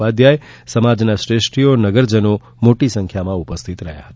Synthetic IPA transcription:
ad̪jaesəmad͡ʒnasɾesʈijonəɡəɾd͡ʒəno | moʈisə̃ŋkʰjamãupəst̪ʰit̪ɾəɦja̰ɦət̪a

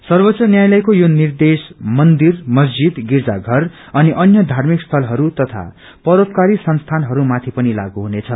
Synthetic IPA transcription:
sʌrbʌtt͡sːʌnjajlʌjkojonird̪esmʌnd̪irmʌsd͡zid̪ɡird͡zaɡʱʌr | ʌniʔʌnjʌd̪ʱarmikst̪ʰʌlɦʌɾut̪ʌt̪ʰa̰ | pʌɾot̪kaɾisʌnst̪ʰanɦʌɾumat̪ʰipʌnila̰ɡuɦunet͡sʰʌ

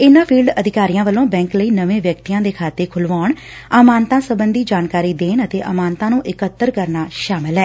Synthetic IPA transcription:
ɪnãːpʰiːlɖəd̪ʱɪkaːɾijãːʋəlõːbɛ̃ːŋkləiːnəʋẽːʋjəkt̪iːãːd̪eːkʰaːt̪eːkʰʊlʋaːɳ | aːmaːnt̪ãːsəbənd̪iːd͡ʒaːnkaːɾiːd̪eːnət̪eːʔə̰maːnt̪ãːnũːʔɪkət̪ːəɾkəɾnaːʃaːmɪlɦɛː

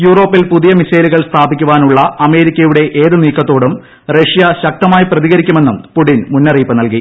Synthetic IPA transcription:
juːro̞ːpːilpuðijɐmisɐjluɣɐɭst̪ʰaːbʱikʲːuʋaːnuɭːɐɐme̞ːɾikʲːɐjuɽe̞ʔeːðɨniːkːɐt̪ːo̞ːɽum | reʂijɐɕɐk̚t̪ɐmaːjiprɐðiɣɐɾikʲːume̞nːumpuʈːinmunːɐriːpːɨnɐlki

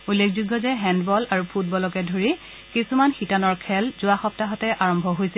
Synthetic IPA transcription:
ulːekʰzuɡːɔzɛɦɛndbɔlaɹupʰut̚bɔlɔkɛdʱoɹi | kisumanxitanɔɹkʰɛlzʊaxɔp̚taɦɔtɛʔaɹɔmbʱɔɦojsɛ

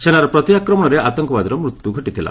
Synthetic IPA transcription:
senaɾɔpɾɔt̪iakɾɔmɔɽ̃ɔɾeʔat̪ɔŋkɔbad̪ɔɾɔmɾut̪juɡʱɔʈit̪ʰila̰

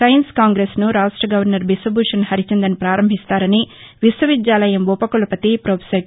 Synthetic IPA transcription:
sɐjɐnskaːŋɡɾeːsnuɾaːʂʈɾɐɡɐʋɐɾnɐɾbisɐbuːʂɐnhɐɾit͡ʃend̪ɐnpɾaːɾɐmbʱist̪aːɾɐniʋiswɐʋid̪jaːlɐjɐmʋupɐkulɐpɐt̪ipɾoːpʰsɐ

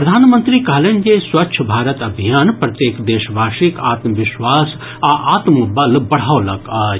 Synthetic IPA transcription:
pɾəd̪ʱaːnmə̃nt̪ɾikɐɦleːnd͡ʒeswɐtːʃʰəbʱaːɾət̪ɐbʱijaːnpɾɐt̪jeːkd̪eːʃbʱaːʃika̰ːt̪məʋɪʃwaːs | aʔaːt̪məbəlbɐɽ̤aːolɐɡaː

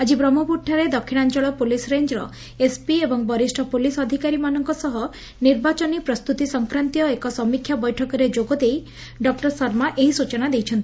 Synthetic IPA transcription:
ad͡ʒibɾɔmɔpuʈʰːaɾed̪ɔkʰːiñant͡ʃɔɭɔpulisɾeɲd͡ʒɾɔ̰ | espiebɔŋbɔɾisʈʰɔpulisɔd̪ʱikaɾimanɔŋkɔsɔɦɔ | niɾbat͡ʃɔnipɾɔst̪ut̪isɔŋkɾant̪ijɔekɔsɔmikʰjabɔjʈʰɔkɔɾed͡ʒoɡɔd̪ej | ɖɔk̚ʈɔɾsɔɾmaʔeɦisut͡ʃɔnad̪ejt͡ʃʰɔnt̪i̥

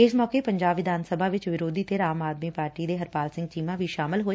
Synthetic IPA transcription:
ɪsmɔːkeːpəɲd͡ʒaːbʋɪd̪ʱaːnsəbʱaːʋɪt͡ʃʋɪɾoːd̪iːt̪eːɾaːmaːd̪miːpaːɾʈiːd̪eːɦəɾpaːlsɪ̃ŋɡ̚t͡ʃiːmãːʋiːʃaːmɪlɦoːe

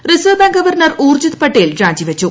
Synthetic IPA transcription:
risɐːbɐŋɡɐʋɐrnɐruːrd͡ʑut̪pɐʈːejilɾaːɲd͡ʑiʋɐt͡ɕːu

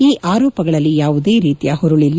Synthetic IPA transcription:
iːʔaːɾɔːpɐɡɐɭɐlːijaːʋud̪e̞ːɾiːt̪ijaːhɔɾuɭilː

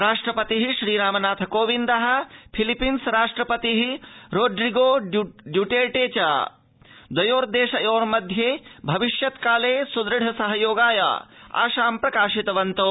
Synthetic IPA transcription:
ɾaːʂʈɾɐpɐt̪iɦiʃɾiːɾaːmɐnaːt̪ʰɐkoːʋind̪ɐɦɐ̆pʰilipinsɾaːʂʈɾɐpɐt̪iɦiɾoːɖɾiɡoːɖjuʈeːʈeːt͡ʃa̰ː | d̪ɐjoːɾd̪eːʃɐjoːɾmɐd̪ʱjeːbʱɐʋiʃjɐt̪kaːleːsud̪ɾɐɽɐsɐɦɐjoːɡaːja̰ːa̰ːʃaːmpɾɐkaːʃit̪ɐʋɐnt̪oː

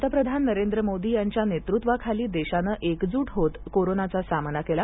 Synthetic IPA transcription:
t̪əpɾəd̪ʱanːəɾend̪ɾəmod̪iːjaɲt͡ɕjanet̪ɾut̪ʋakʰaliːd̪eɕanəʔekd͡zuːʈɦot̪koɾonat͡sasamnakela

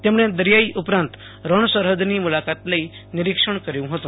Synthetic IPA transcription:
t̪emɳed̪əɾjaiʔupɾãnt̪ | ɾəɳ̃səɾɦəd̪nimulakat̪ləinɪɾikʂəɳkəɾjũɦət̪ũ

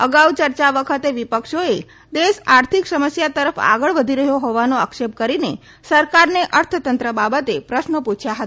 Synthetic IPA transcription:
əɡaut͡ʃəɾt͡ʃaʋəkʰət̪eʋipəkʃoe | d̪eʃaɾt̪ʰiksəməsjat̪əɾəfa̰ɡəɭʋəd̪ʱiɾəɦjoɦoʋanoakʃep̚kəɾine | səɾkaɾneʔəɾt̪ʰət̪ənt̪ɾəbabət̪epɾəʃnəput͡ʃʰjaɦət̪a

